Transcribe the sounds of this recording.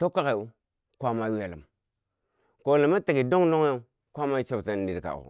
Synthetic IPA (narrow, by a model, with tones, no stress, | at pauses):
to˦ka˦ka˨ju˦ | kʷa˦ma˦we˨lə̰˨m | ko˨lə˨ma˦ta˨ɡi˨do˦ŋdo˦ŋ˦a˦ | kʷa˦ma˦t͡ʃo˦bta˦n˦di˦ɾka̰˨ṵ˨